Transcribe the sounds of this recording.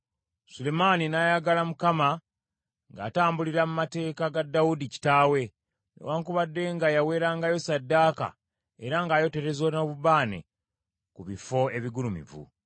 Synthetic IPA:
sule̞maninajaɡalamukama | ŋɡaːtaːmbuliɾamumate̞ːkaɡadːawudici̥taːwe̞ | nḛwaːŋkuβadːe̞ŋɡajawe̞ːɾaːŋɡajo̞sadːaːka̰ | e̞ɾaŋɡaːjo̞te̞ɾe̞zonoβuβaːnḛ | kuβifo̞e̞βiɡulumḭvṵ

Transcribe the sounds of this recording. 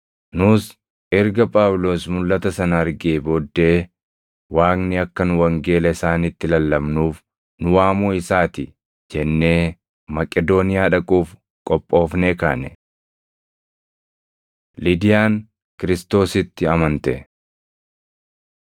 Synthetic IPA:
nʊs | ʔɛɾɡɐpʼaːwlo̞ːsmʊlːɐt̪ɐsɐnɐɐɾɡeːboːd̪ːe̞ː | waːknɪɐkːɐnʊwɐŋɡe̞ːlɐɪsaːnɪt̪ːɪlɐlːɐmnuːf | nʊwaːmoːɪsaːt̪ɪ | d͡ʒɛnːe̞ː | mɐkʼɛd̪o̞ːnɪjaːᶑɐkʼuːf | kʼɔpʼːo̞ːfneːkaːnɛ | lɪd̪ɪjaːn | kɪɾɪst̪o̞ːsɪt̪ːɪɐmɐnt̪ɛ̰

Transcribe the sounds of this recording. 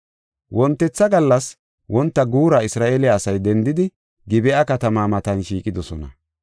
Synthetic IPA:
wɔnt̪ːɛt͡sːɐɡɐlːɐs | wɔnt̪ːɐɡuːɾɐɪsɾaːʔeːlɪaːsɐjd̪ɛnd̪ɪd̪ɪ | ɡɪbɛʔɐkɐt̪ɐmaːmɐt̪ɐnʃiːkʼɪd̪ɔsɔnɐ

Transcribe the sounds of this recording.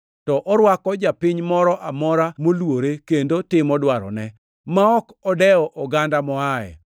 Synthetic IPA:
tɔʔɔɾwakɔd͡ʒapɪɲmɔɾɔʔamɔɾamolwoɾekendotɪmɔdwaɾɔ̰nɛ | maɔkɔdɛɔʔɔɡandamɔajɛ̰

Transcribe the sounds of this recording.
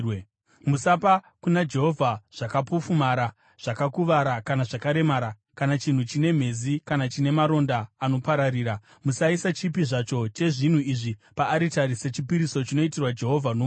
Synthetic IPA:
musapa | kunad͡ʒe̞ɦo̞vʱaʐ̥akapufumaɾa | ʐ̥akakuʋaɾakanaʐakaɾe̞maɾa | kanat͡ʃin̤ut͡ʃine̞m̤e̞zikanat͡ʃine̞maɾo̞ndaːno̞paɾaɾiːɾa | musaisat͡ʃipiʐat͡ʃo̞t͡ʃe̞ʐin̤uiʐipaːɾitaɾiset͡ʃipiɾiso̞t͡ʃino̞itirwad͡ʒe̞ɦo̞vʱano

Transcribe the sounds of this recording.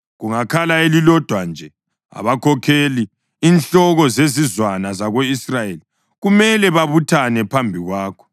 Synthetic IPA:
ɣuŋakʰalaelilɔd̥ʱwand͡ʒʱɛ | a̰βakʰɔkʰeli | iːnɬɔɣɔzezizwanazaɣoisrajeli | ɣumɛlɛβaβutʰanɛpʰambʱiɣwaːkʰɔ̥

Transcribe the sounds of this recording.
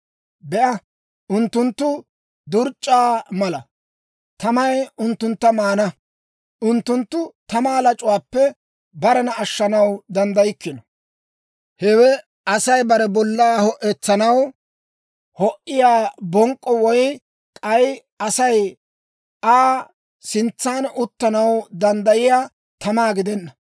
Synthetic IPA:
bɛʔɐ | ʊnt̪ːʊnt̪ːʊ | d̪ʊɾt͡ʃʼːaːmɐlɐ | t̪ɐmɐjʊnt̪ːʊnt̪ːɐmaːnɐ | ʔʊnt̪ːʊnt̪ːʊt̪ɐmaːlɐt͡ʃʼʊwaːpːɛ | bɐɾɐnɐːʃːɐnɐwd̪ɐnd̪ɐjɪkːɪnɔ | hɛwɛ | ɐsɐjbɐɾɛbɔlːaːhɔʔɛt͡sːɐnɐw | hɔʔɪjaːbɔŋkʼːɔwɔj | kʼɐj | ɐsɐj | aː | sɪnt͡sːaːnʊt̪ːɐnɐwd̪ɐnd̪ɐjɪjaː | t̪ɐmaːɡɪd̪ɛnːɐ

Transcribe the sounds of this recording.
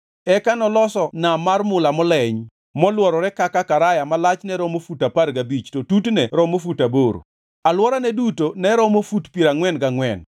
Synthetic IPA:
ɛkanɔlɔsɔnamarmʊlamɔlɛɲ | mɔlwɔɾɔɾɛkakakaɾajamalat͡ʃnɛɾɔmofutaparɡabit͡ʃtotutnɛɾɔmofutaboɾo̰ | alwɔɾanɛdutonɛɾɔmofutpiɾaŋwɛnɡaŋwɛn

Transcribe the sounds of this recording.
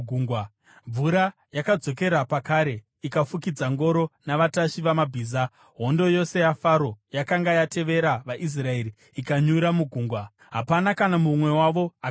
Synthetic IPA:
ɡʱuːŋɡwa | ɱvuɾa | jakad͡zo̞ke̞ɾapakaːɾe̞ | ikafukid͡zaŋɡo̞ɾo̞naʋataʃiʋamabʱiːza | ɦo̞ndo̞jo̞se̞jafaɾo̞jakaŋɡajate̞ʋe̞ɾaʋaʔis̬rae̞ɾi | ikaɲuɾamuɡʱuːŋɡwa | ɦapanakanamumwe̞waʋo̞a

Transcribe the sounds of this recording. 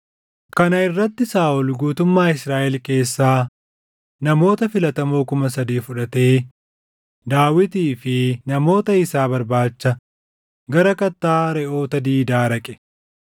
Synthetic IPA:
kɐnɐɪrːɐt̪ːɪsaːʔʊlɡuːt̪ʊmːaːɪsɾaːʔɛlke̞ːsːaː | nɐmo̞ːt̪ɐfɪlɐt̪ɐmoːkʊmɐsɐd̪iːfʊᶑɐt̪e̞ː | d̪aːwɪt̪iːfɪnɐmo̞ːt̪ɐɪsaːbɐɾbaːt͡ʃːɐ | ɡɐɾɐkɐt̪ːaːɾɛʔo̞ːt̪ɐd̪iːd̪aːɾɐkʼɛ̥

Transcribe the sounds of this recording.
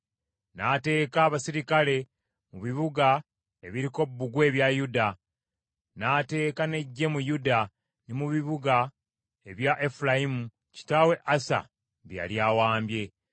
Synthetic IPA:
nate̞ːkaːβasiɾikale̞ | muβiβuɡa | e̞βiɾiko̞bːuɡwe̞ːβjajuda | naːte̞ːkane̞ɟːe̞mujuda | nimuβiβuɡa | e̞βjaʔe̞fulajimu | ci̥tawe̞ʔasa̰ | βja̰ljaːwaːmbje̞

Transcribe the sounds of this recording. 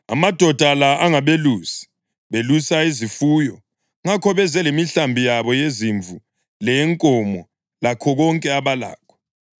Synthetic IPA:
a̰mad̥ʱɔd̥ʱalaaŋaβeluːsi̥ | βelusaizifuːjɔ | ŋakʰɔβɛzɛlemiɬambʱijaβɔjeziɱvʱu | lɛŋkʼɔmɔ | lakʰɔɣɔŋkʼɛaβala̰ːkʰɔ̥

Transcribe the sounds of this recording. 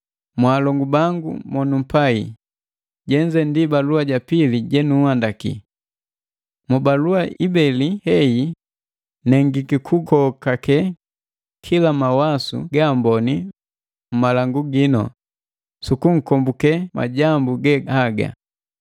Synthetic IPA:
mwaːlɔŋɡubaŋɡṵmɔnum̩pai | ɟɛɲd͡ʒɛndibaluaɟapiliɟɛnuhandakḭ | mubaluaʔibɛlihɛi | nɛŋɡikikʰukʰɔkakɛ | kʰilamawasṵɡambɔni | m̩malaŋɡuɡinɔ̰ | sukuŋ̩kɔmbukɛma̰ɟambuɡɛhaɡa̰

